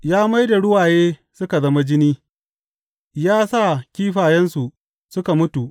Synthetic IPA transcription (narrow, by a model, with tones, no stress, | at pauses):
jaː˦ma˦jda˨ɽʊ˦waː˨jeː˦sʊ˦ka˨zɐ˦ma˦d͡ʒɪ˦niː˦ | jaː˦saː˦˨kʲiː˦ɸaː˨jɛ˦nsu˨ | sʊ˦ka˨mʊ˦tu˨ʔ